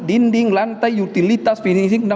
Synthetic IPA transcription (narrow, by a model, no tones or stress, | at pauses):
dindiŋlant̪ajut̪ilit̪asfiniŋsiŋna